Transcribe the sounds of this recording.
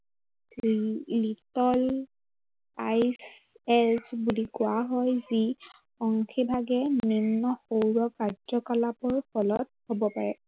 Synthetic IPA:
litɔl | ajs | ɛsbulikʊaɦɔjzi | ɔŋxibʱaɡɛminːɔxowɹɔkazɔkɔlapɔɹpɔlɔt̚hobɔpaɹɛ

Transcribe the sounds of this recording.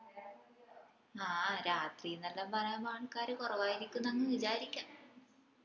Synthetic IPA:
aːɾaːt̪rijɨnɐlːɐbɐɾɐmaːɳɨkːaːɾɨkorɐʋaːjiɾikʲːunːɐŋːɨʋid͡ʑaːɾikʲːa

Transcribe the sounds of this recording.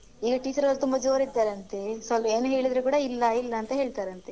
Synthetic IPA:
iːɡɐʈiːt͡ʃɐɾɐlːt̪umbɐd͡ʒoːɾid̪ːaːɾɐnt̪e̞sʋɐlpɐeːnuɦe̞ːɭid̪ɾukuːɽɐilːɐilːɐːnt̪ɐɦeːɭt̪aːɾɐnt̪e̞

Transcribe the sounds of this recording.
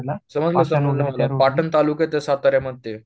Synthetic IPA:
səməd͡zləsəmələmlapaʈənt̪aluːket̪esat̪aɾjaməd̪̚t̪ːe

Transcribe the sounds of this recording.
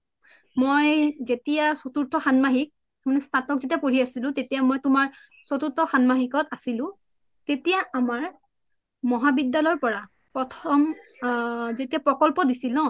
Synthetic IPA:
mojzetijasotuɹtʰɔxanmaɦik̚ | amanɛstʰatɔkzetijapoɹiasilʊ̃tetijamojtʊmaɹ | sotuɹtʰɔxanmaɦikɔtasilʊ̃ | tetijaamaɹ | mɔɦabidːalɔɹpɔɹa | pɹɔtʰɔm | zetiapɹɔkɔlpɔdisilɔ̃

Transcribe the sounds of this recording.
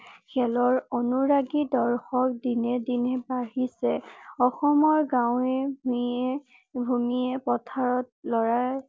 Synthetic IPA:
kʰɛlɔɹɔnuɹaɡidɔɹxɔk̚dinɛdinɛbaɹisɛɔxɔmɔɹɡãw̃ɛb | bʱumiɛpɔtʰaɹɔt̚lɔɹaj

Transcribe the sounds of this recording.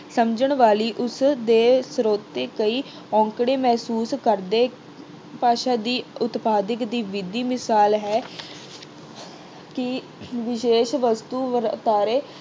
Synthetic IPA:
səmd͡ʒəɳʋaːliːʔʊsd̪eːsɾoːt̪ːeːkəiː | ɔ̃ːŋkɽeːmɛːsuːskəɾd̪eː | paːʃaːd̪iːʊt̪paːd̪əkd̪iːʋɪd̪iːmɪsaːlɦɛː | kɪ | ʋɪʃeːʃʋəst̪uːʋət̪aːɾeː

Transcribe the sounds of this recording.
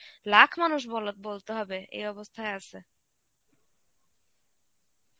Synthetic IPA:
lakʰmanuʃ̬bɔlot̪̚bolt̪eɦɔbeʔḛjɔbost̪ʰaeat͡ɕʰe

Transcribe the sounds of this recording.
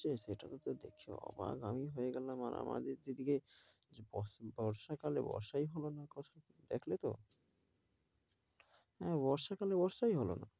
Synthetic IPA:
t͡ɕeʃeʈat̪ot̪od̪ḛkʰḛɔ̰ba̰ɡamiɦoeɡɛlamaɾʔa̰mʔa̰d̪eɾd̪id̪ike | bɔbɔɾʃakalḛbɔ̰ɾʃaiɦɔlonakɔt̪ʰa | d̪ekʰlet̪o̰ | ɦɛ̃βɔɾʃakalebɔɾʃaiɦɔlo̰na̰

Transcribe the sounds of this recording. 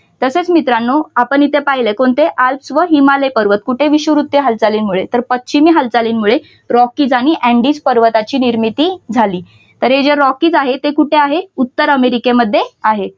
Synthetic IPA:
t̪əset͡smit̪ɾanːoapəɳ̃it̪epaɦilekoɳt̪eʔalpsʋəɦimalepəɾʋət̪̚kuʈʰeʋiɕʋəʋɾut̪jeɦəld͡zaliːnmuɭet̪əɾpətɕimiːɦəld͡zaliːnmuɭe | ɾɔkiːd͡zaɽ̃iʔɛ̃ɳɖiːd͡zpəɾʋət̪at͡ɕiːniɾmit̪iːd͡zʱaliː | t̪əɾɦed͡ʑeɾɔkiːd͡zaɦet̪ekuʈʰeaɦeut̪ːəɾəmeɾikeməd̪ʱːjeaɦe

